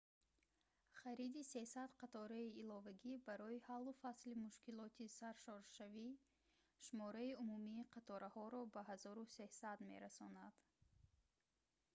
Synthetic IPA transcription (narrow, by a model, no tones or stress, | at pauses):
χaɾid̪ise̞sad̪qʰat̪ʰɔɾaiːlɔvaɡibaɾɔihalːufaslimuʃkilɔt̪ʰisaɾʃɔɾʃavi | ʃumɔɾaiumumiːqʰat̪ʰɔɾahɔɾɔbaɦazɔɾuse̞sad̪me̞̰ɾasɔnad̪̥